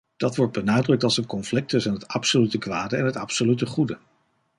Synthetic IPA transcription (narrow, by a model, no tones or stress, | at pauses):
d̥ɑtʋɔɹd̚bənaːdrɵk̚tɑlˠzsəkɔnflɪk̚təsɛnɦətɑpsolytəkʋaːdəɛ̰nɦətɑpsolytəχudə